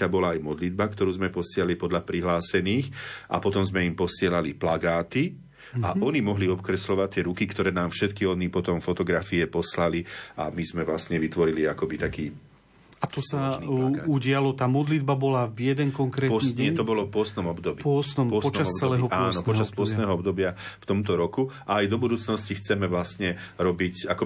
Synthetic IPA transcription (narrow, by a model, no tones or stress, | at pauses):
abɔlaːjmɔd̪lid̪̚bakt̪ɔɾuːzmɛpɔsɪɛlalipɔd̪lapɾiɦlaːsɛniːxʔa̰pɔt̪ɔmzmɛimpɔsɪɛlaliplaɡaːt̪i | aʔɔnimɔɦliɔpkɾɛslɔʋat̪ːɪɛɾukikt̪ɔɾɛːnaːmfʃɛt̪kiɔnipɔt̪ɔmfɔt̪ɔɡɾafiɛpɔslalia̰mizmɛʋlasɲɛʋit̪ʋɔɾiliakɔbit̪akiː | at̪ɔsanilaɡauɟɪalɔt̪aːmɔd̪lid̪̚babɔlavjɛd̪ɛŋkɔŋkɾɛɔiɲɪɛt̪ɔbɔlɔfpʊɔst̪nɔmɔbd̪ɔbiːpɔsnɔmpɔsɔt͡ʃaɔbt͡sɛlɛɔpaːnɔpɔt͡ʃaspʊɔsnɛɦɔɔbd̪ɔbɪaft̪ɔmt̪ɔɾɔkuʔaːjd̪ɔbud̪uːt͡snɔscixt͡sɛmɛʋlasɲɛ | ɾɔbicakɔ